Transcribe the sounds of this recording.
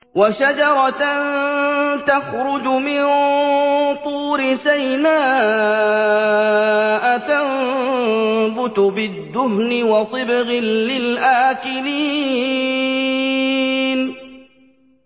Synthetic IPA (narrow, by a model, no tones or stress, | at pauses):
waʃad͡ʒɑɾˤɑn | t̪axɾʊd͡ʒʊmɪn | t̪ˤuːɾɪsajnaː | ʔat̪am | bʊt̪ʊbɪd̪ːʊhnɪwɑsˤɨbɣɪnːɪlʔaːkɪliː | n